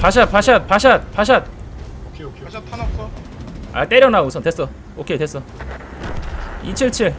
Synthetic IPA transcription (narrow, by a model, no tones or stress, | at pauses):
paɕ̬ʰat̚paɕʰat̚paɕ̬ʰat̚paɕ̬ʰat̚ | a̰t͈e̞ɾjʌnausʰʌtwes͈ʌ | okʰetwes͈ʌ | it͡ɕʰiɭt͡ɕʰiɭ